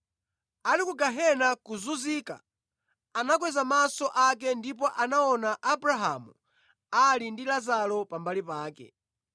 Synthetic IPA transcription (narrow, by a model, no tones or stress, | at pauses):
alikuɡaɦɛnakuzuziːka̰ | anak̬wɛzamasɔʔak̬ɛndip̬ɔʔanaɔnaʔabɾaɦa̰mu | alindilazalɔpambalipaːkɛ̰